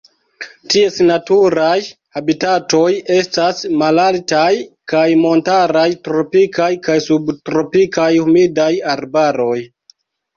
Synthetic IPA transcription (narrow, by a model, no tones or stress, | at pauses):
tie̞snatuɾaj | habitato̞je̞stasmalaltajkajmo̞ntaɾajtɾo̞pikajkajsubtɾo̞pikajhumidajaɾbaɾo̞j